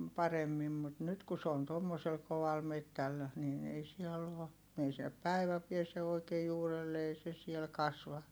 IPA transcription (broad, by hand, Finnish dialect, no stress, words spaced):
pɑremːim mut nyt ku s oːn tomːosel koʋɑl metːæl niːn ei siɛlː oː ei sinːep pæi̯ʋæ piese oikeː juːrelːe ei se siel kɑsʋɑ